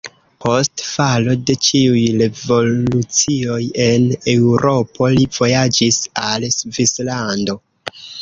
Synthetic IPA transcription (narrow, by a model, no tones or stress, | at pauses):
pʰo̞stfalo̞de̞t͡ʃiujɾe̞vo̞lut͡sio̞je̞ne̞wɾʔo̞po̞liv̥o̞jad͡ʒisalsvislando̞